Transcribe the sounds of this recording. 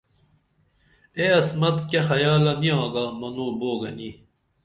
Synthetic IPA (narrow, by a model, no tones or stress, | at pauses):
eɐsmɐt̪kɐxɐjaːlɐniãːɡamɐnõːboːɡɐni